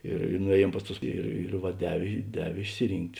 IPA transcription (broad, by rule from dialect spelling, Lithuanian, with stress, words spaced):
ɪr ɪ nʊˈeːˌjiɛm ˈpɐs ˌtʊs ˈɪr ɪr ʋɐ ˈdʲæːʋʲeː ˈdʲæːʋʲeː ɪʃʲsʲɪˈrʲiːŋktʲ